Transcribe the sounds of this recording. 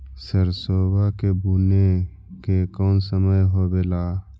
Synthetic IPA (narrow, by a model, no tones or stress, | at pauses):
səɾsoːbakebune | kekɔːnsəməjɦobeːlaː